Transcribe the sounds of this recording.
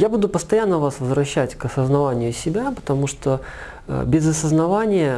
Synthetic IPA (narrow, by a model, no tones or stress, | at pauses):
jabud̪ʊpəst̪ɐjanːəvasvəzɾɐɕːætʲkɐsəznɐvanʲɪjʊsʲɪbʲapə̥t̪ɐmuʂt̪o̰ | bʲɪzɐsəznɐvanʲɪjə